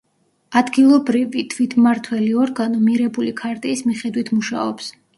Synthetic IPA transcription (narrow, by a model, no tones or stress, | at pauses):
ad̪ɡilˠɔbɾivit̪ʰwit̪ʰmaɾt̪ʰwɛliɔɾɡanɔmiɾɛbulikʰaɾt̪ʼiːsmiχɛd̪wit̪ʰmuʃa̰ɔ̰ps